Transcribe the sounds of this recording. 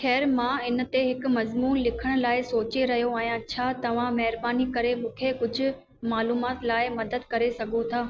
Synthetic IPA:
xɛːɾmãɪn̆t̪eɦɪkʊmɐzmuːnlɪkʰəɽ̃laːɪsoːt͡ɕeɾɐɦijoãːɦjãt͡ɕʰaːt̪ɐʋ̤ãmɐɦɪɾbaːnikɐɾemũːkʰekʊd͡ʑʱʊ̆ | maːluːmaːt̪laːɪmɐd̪əd̪kɐɾesɐɡʱot̪ʰaː

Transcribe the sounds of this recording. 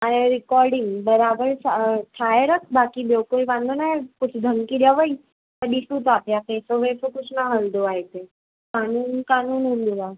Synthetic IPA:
aeɾikɔɾɖiŋɡbəɾabəɾsaʈ̪ʰajɾəkbakibewkoiʋãnd̪ʱonajput͡sʰd̪ʱəŋkid̪jaʋəi | əɖisut̪apjapesoʋefukusnaɦəld̪oajt̪e | kanuːnkanuːnund̪uʋa

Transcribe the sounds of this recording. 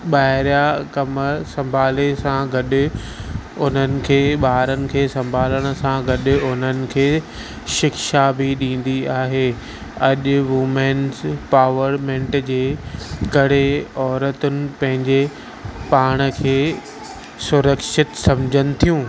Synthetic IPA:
ɓaːɦɪɾjakɐməsɐ̃mbʱaːlesãɡɐɗʊ̆ | ʊn̤ənɪ̆kʰeːɓaːɾənɪ̆kʰeːsɐ̃mbʱaːləɽ̃ə̆sãɡɐɗɪ̆ʊn̤ənɪ̆kʰeː | ʃɪkʃabʱiɗĩːn̆d̪iaːɦeː | ɐʄʊʋʊmenzpaːʋəɾmɛ̃ːɳʈd͡ʑeːkɐɽ̤eɔːɾət̪ʊnɪ̆pɐ̃ɦɪ̃ɲd͡ʑe | paːɽ̃əkʰeː | sʊɾəkʃɪt̪sɐ̃md͡ʑʱənɪ̆t̪ʰijũː

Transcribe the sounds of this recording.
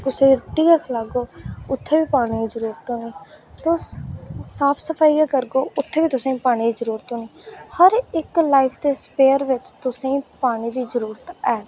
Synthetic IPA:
kʊsẽːiɾʊʈːiːɡaːkʰəlaːɡoːʊt̪ʰːeːʋiːpaːɽ̃iːizəɾuːɾət̪ɦõːniːt̪ʊsː | aːpʰsəpʰaːiaːkəɾɡoːʊt̪ʰːeːʋiːt̪ʊsãĩːpaːɽ̃ĩːd̪iːzəɾuːɾət̪ɦõːniːhəɾɪklaːiːpʰd̪eːspeːəɾʋɪt͡ʃt̪ʊsẽːpaːɽ̃iːd̪iːzəɾuːɾət̪ɛː

